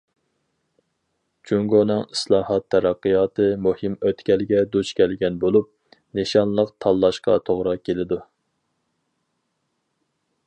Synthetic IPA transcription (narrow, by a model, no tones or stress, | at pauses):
t͡ʃʰuŋɡonɨŋislˠɑːhɑt̪ʰːɛɾɑqːɨjɑːt̪ɨmuhɨmøt̪kʲɛlɡʲɛd̪ut͡ʃkʲʰɛlɡʲɛnbolˠup̚ | neʃɑnlˠəqt̪ʰɑlˠːɑʃqɑ̰t̪ʰoʁɾɑkʲʰːelɪd̪u